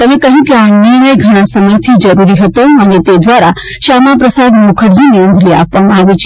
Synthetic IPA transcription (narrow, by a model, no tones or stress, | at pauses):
t̪əmekəɦũkeanɪɾɳəjɡʱəɽ̃ãsəməjt̪ʰid͡ʒəɾuɾiɦət̪oənet̪ed̪ʋaɾa | ʃamapɾəsad̪mukʰəɾd͡ʒiniənd͡ʒlia̰pʋamãaʋet͡ʃʰ